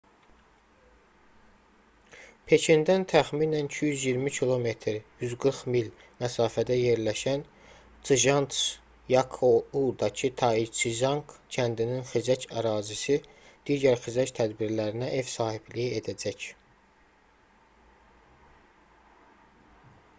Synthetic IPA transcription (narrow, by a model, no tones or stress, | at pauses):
pʰe̞cʰind̪ænt̪ʰæχminænicʰijyzjiɾmicʰilˠo̞me̞t̪ʰɾjyzɡɯɾχmil | mæsɑːfæd̪æje̞ɾlæʃæn | t͡sɯʒɑnt̪s | jɑkʰoud̪ɑcʰit̪ʰɑit͡ʃʰiʒɑŋkcʰænd̪ininχizæcʰæɾɑːzisi | d̪̥iːɟæɾxizæct̪ʰæd̪biɾlæɾinæʔe̞vsɑːhiblijied̪æd͡ʒæc